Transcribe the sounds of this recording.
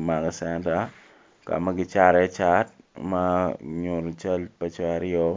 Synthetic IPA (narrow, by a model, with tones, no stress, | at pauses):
ma˨ɡɔ˨sɛ˦nta˨ | ka̰˨ma˦ɡɪ˦t͡ʃa˦ɾɛ˦t͡ʃa˦t̚ma˦ɲo˨ɾt͡ʃa˦lpa˦t͡ʃa˦ɾɪɔ˦